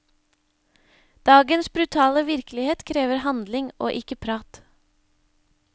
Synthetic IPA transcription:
d̪̥ɑːɡənsbɾʉt̪ʰɑːləʋɪɾklɪheːt̪kʰɾeːʋəɾhɑnd̪lɪŋo̰ːʔɪkəpʰɾɑːt̪

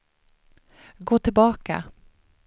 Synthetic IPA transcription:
ɡoːt̪ʰɪlbɑːka̰

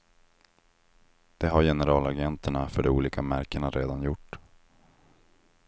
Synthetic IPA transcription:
d̪̥ɛɦaɾjɛnəɾɑːlaɡɛnt̪ʰəɳafœɖɛuːliːkʰamæɾkəɳaɾʔḛːd̪anjʊʈː

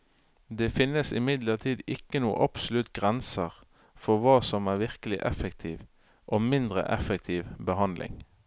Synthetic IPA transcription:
d̪eːfɪnəsɪmɪd̪ləʁt̪ʰiːd̪ɪkːənuːə̰ʔɑpsʊlʉt̪ɡʁɛnsəʁ | fɔʋɑːsɔmæːʁʋɪʁkəlɪʔɛfɛk̚t̪ʰiːʋ | ʔoːmɪnd̪ʁə̰ʔɛfɛk̚t̪ʰiːʋbəɦɑnd̪lʔɪ̰ŋ

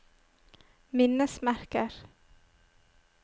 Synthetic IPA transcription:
mɪnəsmæɾkəɾ

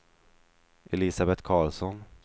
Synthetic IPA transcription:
ʔɛlɪsabɛt̪kʰɑːɭsɔn

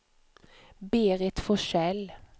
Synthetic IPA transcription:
beːʁɛt̪fɔʃɛl

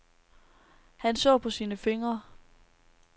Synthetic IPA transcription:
hænsɔ̰ːpʰɒ̽siːnəfe̝ŋɐ

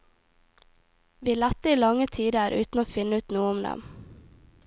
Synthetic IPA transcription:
ʋiːlæt̪ːəiːlɑŋət̪ʰiːd̪əɾʔʉ̰ːt̪n̩oːfɪnːəʉːt̪nuːəʊmd̪ɛ̰m

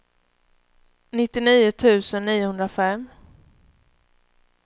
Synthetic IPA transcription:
nɪt̪ːɪniːʊt̪ʰʉ̟ːsənːiːʊhɵnd̪ɾafɛm

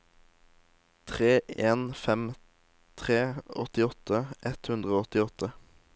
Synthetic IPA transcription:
t̪ʰʁeːeːnfɛm | t̪ʰʁeːɔ̰t̪ɪɔt̪ʰəʔɛt̪hʉnd̪ʁəoːɔt̪ɪɔt̪ʰə

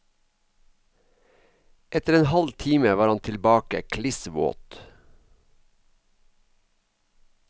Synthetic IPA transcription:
ʔɛt̪əɾeːnhɑlt̪ʰiːməʋɑːɾɑnt̪ʰɪlbɑːkə̰kʰlɪsʋo̰ːt̪

